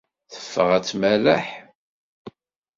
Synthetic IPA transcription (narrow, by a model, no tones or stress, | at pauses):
θə̥fːəʁæt͡sːmælaħ